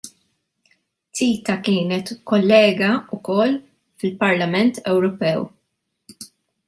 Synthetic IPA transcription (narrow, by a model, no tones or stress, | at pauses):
t̪iːt̪ɐkɪːnɛt̪kɔlːɛːɡɐʊkɔlː | fɪlpɐɾlɐmɛnt̪ɛwɾɔpɛw